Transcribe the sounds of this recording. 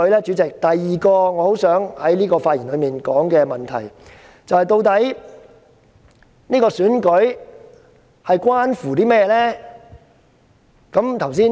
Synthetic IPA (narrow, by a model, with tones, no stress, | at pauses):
jlɛː˥t͡ʃy˨˥t͡sɪ˨k̚t̪ɐ˨jːiː˨kɔː˧ŋɔː˨˧ho˨˥wsœː˨˥ŋhɐ˨˥jliː˥kɔː˧faː˧t̚jiː˨˩nlɵ˨˧ɥmiː˨nkɔː˨˥ŋkɛː˧mɐ˨˩nt̪ʰɐ̰˨˩j | t͡sɐ˨whɐ˨jt̪o˧wt̪ɐ˨˥j | niː˥kɔː˧syː˨˥nkɵ˨˥ɥ | hɐ˨jkwaː˥nfuː˨˩t̪iː˥mɛː˥jɛ˧lɛː˥ | kɐ˨˧˥mt̪ʰɐ˨˩wsiː˥